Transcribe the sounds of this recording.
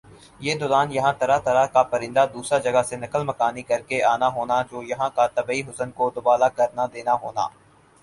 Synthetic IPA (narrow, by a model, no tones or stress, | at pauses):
jeːd̪ʊlaːnjɐɦãt̪ɐɾat̪ɐɾakapɐɾɪ̃nd̪ad̪uːsɾad͡ʒɐɡasenɐkəlmɐkaːnikɐɾkeaːnaɦoːnad͡ʒoːjɐɦãkat̪ɐbːiɦʊsənkod̪ʊbaːlakɐɾnad̪eːnaɦo̰ːna̰ː